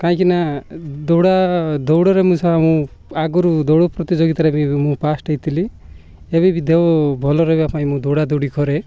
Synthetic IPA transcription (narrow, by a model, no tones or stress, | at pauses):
kãĩkinad̪ɔwɽad̪ɔwɽɔɾemũsʰɔamũaɡɔɾud̪owɽɔpɾɔt̪id͡ʒɔɡit̪aɾebimũpasʈɔit̪ʰili | ebibid̪ewɔbʱɔlɔɾebiapãĩmũd̪ɔwɽad̪owɽikɔɾe